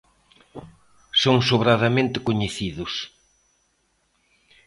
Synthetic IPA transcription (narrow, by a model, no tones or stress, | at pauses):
soŋsoβɾaðamẽnt̪ɪkoɲeθiðʊs